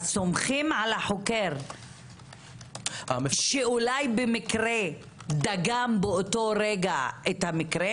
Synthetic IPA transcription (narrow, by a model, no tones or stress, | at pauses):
somχimʕalaħokeʁ | a̰ʃeulajbemikʁe | d̪aɡambeoto̞ɾeɡaet̪hamikʁe